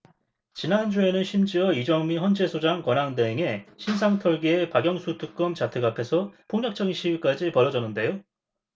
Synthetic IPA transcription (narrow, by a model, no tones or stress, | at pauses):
t͡ɕinand͡ʑue̞nɯnɕʰimd͡ʑiʌid͡ʑʌŋmiɸwʌnd͡ʑe̞sʰod͡ʑaŋkʌnaŋdeŋe̞ɕʰinsʰaŋtʰʌɭɡiepaɡjʌŋsʰutʰuk͈ʌmt͡ɕatʰɯɡapʰe̞sʰʌpʰoŋɲʌk̚t͡ɕ͈ʌɡinɕʰiiɭk͈ad͡ʑipʌɾjʌd͡ʑʌnːɯnde̞jo